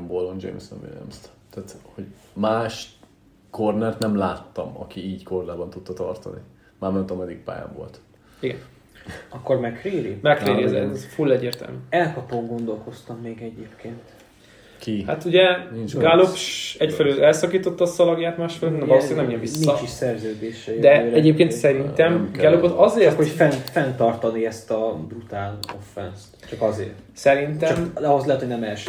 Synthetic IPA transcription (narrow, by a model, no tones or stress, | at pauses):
mbolond͡ʒḛjmsɛ̰nvḭlijɛ̰mst̪aːt̪hoɟ | maːʃ | kornɛrt̪nɛmlaːt̪ːɒ̰mɒ̰kiiːcko̞rlaːbɒnt̪ut̪ːɒt̪ɒrt̪ɒ̰nḭ | maːmɛnt̪ɒmɛd̪ik̚pa̰ːja̰ɱvo̰lt̪ | iɡɛn | ɒkːormɛkreːɾimɛkɾeːɾiɛzɛ̰fulːɛɟːeːrt̪ɛ̰lmy̰ːɛlkɒpoŋɡo̞nd̪o̞lko̞st̪ɒmːeːɡɛɟeːpkʰeːnt̪ | kiha̰t̪uɟɛɡalopʃɛcfɛlyølɛlsɒkiːt̪ot̪ːɒsɒlɒɡjaːt̪maːʃfɛlønɛɒloːsseːɡnɛmijɛɱvissmiːɒt͡ʃiʃsɛrzøːd̪eːʃɛjd̪ɛːlɛɟeːp̚keːnt̪sɛɾint̪ɛmɡalopot̪ɒzeːrt̪hofɛnfɛnt̪ɒrt̪ɒniɛst̪ɒbrut̪aːlo̞̰fːɛ̰nst̪t͡ʃɒkɒzḛːrsɛɾint̪ɛmd̪ɒɦozlɛɦɛt̪honɛmɛlʃ